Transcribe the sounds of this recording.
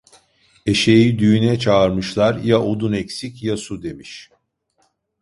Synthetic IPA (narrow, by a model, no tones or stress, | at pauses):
e̞ʃejid̪yjynɛt͡ʃʰaːɾmɯʃlˠaɾjaʔod̪unɛcsicjasud̪e̞miʃ